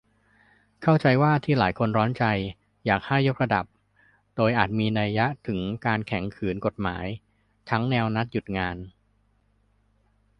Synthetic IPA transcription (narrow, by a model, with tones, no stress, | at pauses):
kʰa˥˩wt͡ɕa˧jwaː˥˩t̪ʰiː˥˩laː˩˦jkʰo˧nɾɔː˦˥nt͡ɕa˧j | jaː˨˩k̚ha˥˩jːo˦˥k̚ɾa˧da˨˩p̚ | doː˧jʔaː˨˩t̪̚miː˧na˧jːa˦˥ʔt̪ʰɯ˩˦ŋkaː˧nkʰɛ˩˦ŋkʰɯː˩˦nko˨˩t̪̚ma̰ː˩˦j | t̪ʰa˦˥ŋnɛː˧wna˦˥t̪̚ju˨˩t̪̚ŋaː˧n